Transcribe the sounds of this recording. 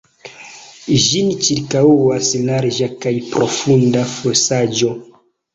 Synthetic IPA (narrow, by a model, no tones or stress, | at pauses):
ʒinit͡ʃiɾkauwaslaɾd͡ʒakajpɾʔofundafosad͡ʒo̞